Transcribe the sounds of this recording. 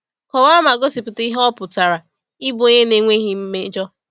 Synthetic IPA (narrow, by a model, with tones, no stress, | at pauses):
kɔ˨wa˦ma˨ɡo˦si˨pʊ˨ti˦ɦɔ˦pʊ˨ta˨ɾa˨ | i˦bo˨˦e˦ne˦ŋʷe˦ɦi˦m̩˦me˦d͡ʒɔ˦